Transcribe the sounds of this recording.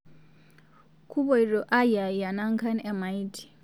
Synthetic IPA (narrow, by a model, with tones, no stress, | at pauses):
kʰu˦βɔ˦i˨ɾɔ˨ʔa˦ja˨ja˨na˦ŋka˦nɛ˦˨ma˨itʰi̥˨